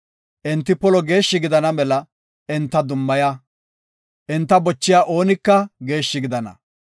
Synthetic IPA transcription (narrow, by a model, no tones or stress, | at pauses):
ʔɪnt̪ːɪpɔlɔɡe̞ːʃːɪɡɪd̪ɐnɐmɛlɐ | ɪnt̪ːɐd̪ʊmːɐja | ʔɪnt̪ːɐbɔt͡ʃːɪjaːʔo̞ːnɪkːɐɡe̞ːʃːɪɡɪd̪ɐnɐ̰